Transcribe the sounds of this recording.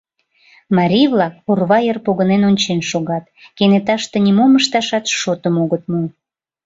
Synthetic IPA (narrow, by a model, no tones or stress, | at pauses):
mɑɾʲijvlˠɑk̚urβɑjərpoɣənenonʲt͡ɕenʃoɣɑt̪kenet̪ɑʃt̪enʲimoməʃt̪ɑʃɑt̪ʃot̪əmoɣət̪̚mu